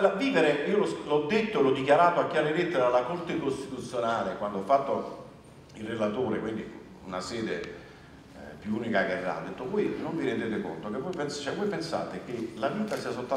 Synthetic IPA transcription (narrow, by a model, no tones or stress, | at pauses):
laviːveɾeiːolɔslɔd̪ːet̪ːoelɔd̪ːikjaɾaːt̪oakːjaɾelet̪ːeɾalakort̪ekost̪it̪ut̪sːjonaːlekwand̪oafːat̪ːo | ilrelat̪oːɾekwind̪i | ṵnasɛːd̪e | pjuuːnikakɛrːa̰d̪ːet̪ːovoːjnoɱviɾend̪eːt̪eko̰nt̪okevːɔjpenst͡ʃɛvːɔjpensa̰ːt̪ek̟elaviːt̪asiːas̬olt̪ːa